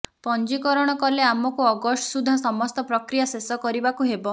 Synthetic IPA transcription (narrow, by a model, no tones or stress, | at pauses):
pɔnd͡ʒikɔɾɔɽ̃ɔkɔleamɔkuɔɡɔssud̪ʱasɔmɔst̪ɔpɾɔkɾijasesɔkɔɾibakuɦebɔ